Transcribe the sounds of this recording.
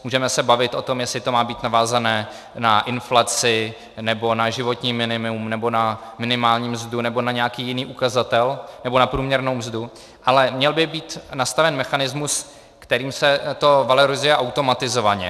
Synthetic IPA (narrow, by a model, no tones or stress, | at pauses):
muːʒɛmɛsɛbavɪt̪ʔo̞t̪o̞mjɛslɪt̪o̞maːbiːt̪navaːzanɛː | naʔɪnflat͡sɪ | nɛbo̞naʒɪvo̞t̪ɲiːmɪnɪmɪumnɛbo̞namɪnɪmaːlɲiːmzdunɛbo̞naɲɛjakiːjɪniːʔukazat̪ɛlnɛbo̞napɾuːmɲɛɾno̞wmzdu | ʔalɛmɲɛlbɪbiːt̪nast̪avɛnmɛxanɪzmus | kt̪ɛɾiːmsɛt̪o̞valoɾɪzʊjɛʔawt̪o̞mat̪ɪzo̞vaɲɛ̰